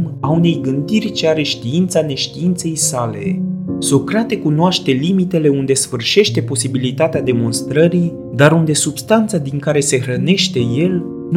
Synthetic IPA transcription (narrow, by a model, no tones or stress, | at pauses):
maune̞jɡɨnd̪irʲt͡ʃeaɾe̞ʃt̪iint̪sane̞ʃt̪iint̪se̞jsale̞̰sokɾat̪e̞kunoaʃt̪e̞limit̪e̞le̞und̪e̞sfɨrʃe̞ʃt̪e̞po̞sibilit̪at̪ead̪e̞mo̞nst̪ɾəɾi | d̪aɾund̪e̞subst̪ant̪sad̪iŋkaɾe̞se̞hɾəne̞ʃt̪e̞je̞l | n